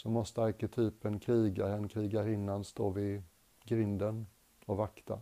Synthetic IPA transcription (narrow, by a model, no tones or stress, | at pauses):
sɔmɔst̪əaɾkɛt̪ʰyːpənkʰɾiːɡaɾɛnkʰɾiːɡaɾɪnːanst̪oːvɪ | ɡɾɪnd̪ən | ɔvakt̪ʰa̰